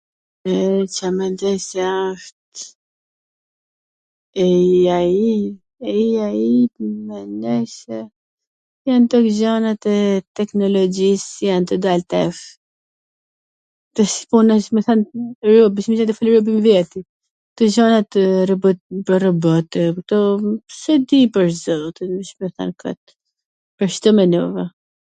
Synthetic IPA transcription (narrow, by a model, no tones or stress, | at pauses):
ɛt͡ʃamɛnd̪ɛjsɛʃt̪ | ɛai | aiait̪mɛndɛjsɛ | jant̪ɔkʒɔnat̪ɛt̪ɛknɔlɔd͡ʒisjant̪əd̪alt̪ɛf | t̪ɛspunaʃmɛθanɾubiʃmɛʃant̪̬əfaliɾubimvɛt̪i | k̚t̪ɔʒɔnat̪ɾbpərɔbɔt̪ɛk̚t̪ɔsɛd̪ipəɾzɔt̪ɛʃmɛθa̰nka̰t̪ | pəɾʃt̪ɔmɛnuvɛ